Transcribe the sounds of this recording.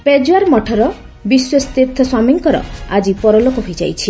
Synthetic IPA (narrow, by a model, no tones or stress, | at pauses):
ped͡ʒuaɾmɔʈʰɔɾɔ | biswɔst̪iɾt̪ʰɔswamiŋkɔɾɔ̰ad͡ʒipɔɾɔlokɔɦojd͡ʒa̰jt͡ʃʰi